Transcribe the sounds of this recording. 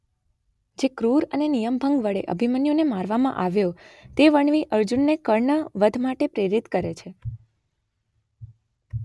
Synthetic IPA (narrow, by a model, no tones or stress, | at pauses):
d͡ʒekɾuɾənenijəmbʱəŋɡʋəɭeʔə̰bʱimənjonemaɾʋamã̰ʔaʋjot̪eʋəɳʋiʔəɾd͡ʒunːekəɾɳəʋəd̪ʱmaʈepɾeɾit̪kəɾet͡ʃʰe